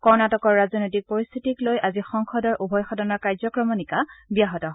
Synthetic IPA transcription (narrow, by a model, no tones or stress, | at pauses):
kɔɹnatɔkɔɹːazɔnojtik̚pɔɹist̪ʰitiklojʔazixɔŋxɔdɔɹʔubʱɔjxɔdɔnɔɹkaɹzɔkɹɔmɔnikabijaɦɔtɔɦ